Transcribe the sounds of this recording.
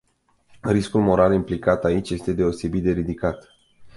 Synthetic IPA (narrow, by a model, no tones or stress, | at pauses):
riskulmo̞ɾalimplikat̪ait͡ʃʲje̞st̪e̞d̪e̞o̞se̞bit̪̚d̪e̞ɾid̪ikat̪